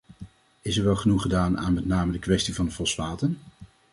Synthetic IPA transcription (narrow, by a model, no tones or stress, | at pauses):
ɪsɛɹʋɛlˠχənuχədaːna̰ːnmɛtnaːmədəkʋɛstivɑndəfɔsʋaːtən